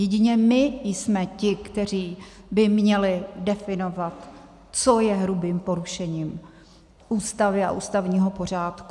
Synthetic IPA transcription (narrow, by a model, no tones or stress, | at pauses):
jɛɟɪɲɛmɪjsmɛcɪkt̪ɛr̝iː | bɪmɲɛlɪdɛfɪno̞vat̪ | t͡sojɛɦɾubiːmpo̞ɾuʃɛɲiːm | ʔuːst̪avɪa̰ʔuːst̪avɲiːɦo̞po̞r̝aːt̪ku